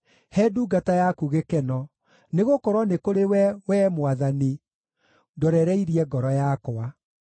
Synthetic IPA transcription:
hɛduːɡatajakuɣekɛnɔ | neɣokɔɾwɔnekoɾewɛwɛmwaðani | dɔɾɛɾɛiɾiɛɡɔɾɔjakɔa

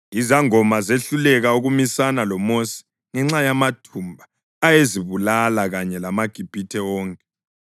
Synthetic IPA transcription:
izaŋɔmazeɬulɛɣauɣumisanalɔmosi̥ | ŋɛŋ͡ǁajamatʰumbʱaː | jeziβulalaɣaɲɛlamaɡ̥ʱib̥ʱitʰɛɔːŋkʼɛ

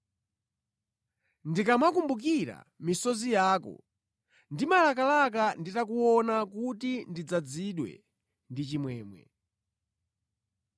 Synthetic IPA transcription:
ndikamakumbuk̬iɾa̰ | misɔzijaːkɔ̰ | ndimalak̬alakanditakuɔnakutindid͡zad͡ziɗwɛ̰ | ndit͡ʃimwɛːmwɛ̰

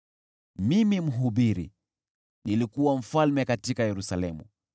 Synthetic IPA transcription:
mimim̩ɦuɓiɾḭ | nilikuwam̩falmɛkatikajɛɾusalɛmṵ

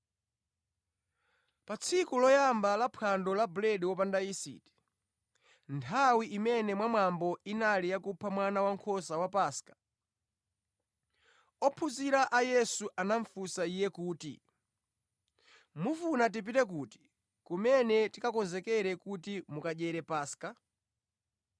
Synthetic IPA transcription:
pat͡sʰikulɔjambalapʰandɔlabulɛdwɔp̬andaisḭti̥ | ntʰawiʔːmɛnɛmwamwambɔinalijakupʰamwanawaŋkʰɔsawapaːskḁ | ɔpʰuziɾaʔajɛsuʔanaɱfusaijɛkuːtḭ | mufunat̬ip̬itɛk̬uti̥ | kumɛnɛtikakɔnzɛkɛɾɛkutimukaʄɛɾɛpaːska

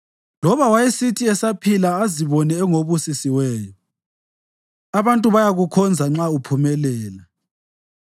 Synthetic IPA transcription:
lɔβawajisitʰiɛsapʰilaːziβɔnɛːŋoβusisiwɛːjɔ | aβantʼuβajaɣukʰɔnd͡zʱaŋ͡ǁaupʰumɛlɛːla

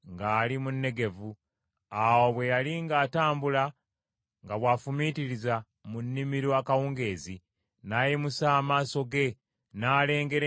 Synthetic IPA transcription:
ŋɡaːlimunːe̞ɡe̞vu | awo̞βwe̞jaliŋɡaːtaːmbula | ŋɡaβwaːfumitiɾiza | munːimiɾwakawuːŋɡe̞ːzi | naːjimusaːmaːso̞ɡe̞ | naːle̞ːŋɡe̞ɾ

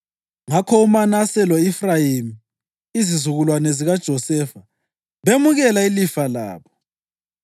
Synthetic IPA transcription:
ŋakʰɔumanasɛlɔifrajimi | izizuɣulwanɛziɣad̥ʒ̥ʱɔsɛːfa | βemuɣɛlailifala̰ːβɔ

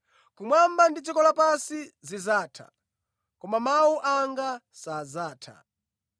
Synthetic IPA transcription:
kumwambandit͡ʃikɔlapasizizaːtʰa̰ | kɔmamauʔaŋɡa | sazaːtʰa̰

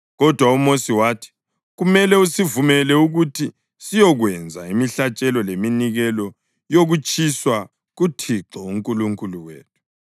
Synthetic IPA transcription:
ɣɔd̥ʱwaumosiwaːtʰi̥ | ɣumɛlɛusivumɛlɛuɣutʰi | sijɔɣwɛnd͡zʱa̰imiɬat͡ʃʼɛlɔleminiɣɛlɔ | joɣut͡ʃʰʼiswa | ɣutʰiǁɔuŋkʼuluŋkʼuluwḛːtʰu̥

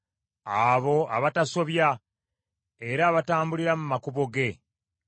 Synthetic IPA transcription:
aβo̞aβataso̞βja | e̞ɾaːβataːmbuliɾamumakuβo̞ɡe̞

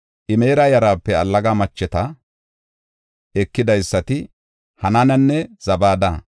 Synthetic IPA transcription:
ʔɪme̞ːɾajɐɾaːpːɛɐlːɐɡaːmɐt͡ʃːɛt̪ɐ | ɛkːɪd̪ɐjsːɐt̪ɪ | hɐnanɐnːɛz̥ɐbaːd̪ɐ

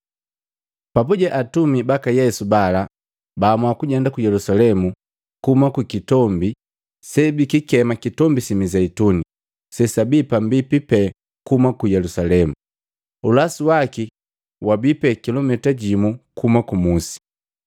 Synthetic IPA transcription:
papuɟɛʔatumibakajɛsubala | bamwakuɟɛndakujɛlusalɛmu | kumakukitɔmbi | sɛbikikɛmakitɔmbisimizɛituni | sɛsabipambipipɛ | kumakujɛlusalɛmu | ulasiwaki | wabipɛkilɔmɛtaɟimukumakumusi̥

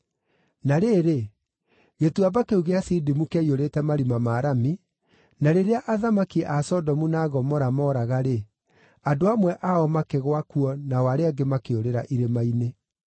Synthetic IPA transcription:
naɾeːɾe | ɣetuabakeuɣeasidimukɛioɾetɛmaɾimamaːɾami | naɾeɾeaʔaðamakiʔasɔdɔmunaːɣɔmɔɾamɔːɾaɣaɾe | adoamwɛʔaɔmakeɣwakuɔnawaɾeaɡemakeoɾeɾa̰ʔiɾemaine

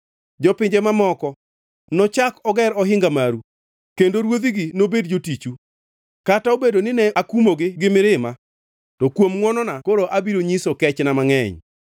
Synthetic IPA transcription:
d͡ʒɔpɪɲd͡ʒemamɔkɔ | nɔt͡ʃakɔɡɛɾɔɦɪŋɡamaɾu | kendoɾwod̪iɡɪnobedd͡ʒotit͡ʃu | kataobedonɪnɛakumoɡɪɡɪmɪɾɪma | tɔkwomŋwɔnɔnakoɾoʔabiɾoɲisokɛt͡ʃnamaŋɛɲ

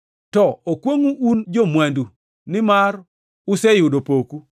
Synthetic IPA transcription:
tɔokwoŋuʔund͡ʒomwandu | nɪmar | ʊsɛjʊdopoku

